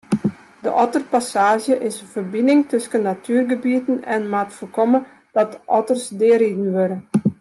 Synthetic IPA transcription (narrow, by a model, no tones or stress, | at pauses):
də̰ʔɔtərpasaːʒjəʔɪsəvərbɪnɪŋtʰøskənːatʰyːrɡəbiətən̩ɛnmatfərkɔmə | d̥ɔt̚əʔɔtərsdɪəɾidn̩ʋøɾə